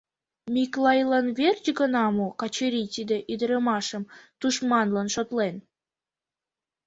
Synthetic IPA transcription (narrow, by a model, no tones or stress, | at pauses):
mʲiklɑjlɑnβerʲd͡ʑɡənɑmokɑt͡ɕəɾʲit̪id̪ĕʔid̪əɾəmɑʃəmt̪uʃmɑnlɑnʃot̪len